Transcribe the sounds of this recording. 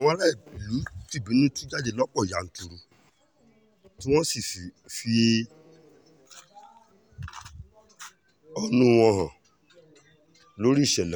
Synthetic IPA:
w̃ɔ̃˧˦la˦˨lu˨˦ti˦˨bĩ˨˦nũ˦ti˦d͡ʒa˦d͡ʒe˦˨lɔ˦k͡pɔ˦˨ja˨n̩˨˦tu˧ɾu˧ | tĩ˦w̃ɔ̃˦si˦˨fi˨ | fi˧ | ɔ˦nũ˦w̃ɔ̃˧ɦã˨ | lo˨˦ɾi˦˨ʃɛ˨lɛ˨

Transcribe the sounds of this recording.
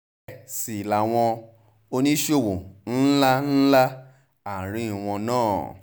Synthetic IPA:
si˨la˨w̃ɔ̃˧ | o˧nĩ˦ʃo˦˨wo˨n̩˦la˦n̩˦la˦ | a˨ɾ̃ĩ˨˦˨w̃ɔ̃˧nãː˦˨

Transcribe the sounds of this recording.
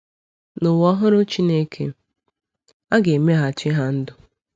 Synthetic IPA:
nʊ˨wɔ˦ɦʊ˦ɾʊ˦t͡ʃi˦ne˦kʰḛ˨ | a˦ɡe˨me˦ɦa˨t͡ʃɪ˦ɦa˦n̩˦dʊ˨

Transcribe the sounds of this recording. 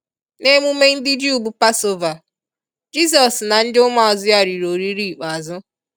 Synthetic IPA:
ne˦mu˦me˦n̩˦dɪ˦d͡ʒi˦u˦˨bu˦pa˦so˦va˨ | d͡ʒi˦s̬ɔ˨sna˨n̩˦dɪ˦ʊ˦ŋʷa˦ɔ˨zɪ˦ja˨ɾi˨ɾo˨ɾi˦ɾi˦˨k͡pa˨zʊ˦

